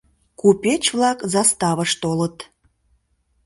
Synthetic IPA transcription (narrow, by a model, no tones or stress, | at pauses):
kupʲet͡ɕβlɑkzɑst̪ɑβəʃt̪olət̪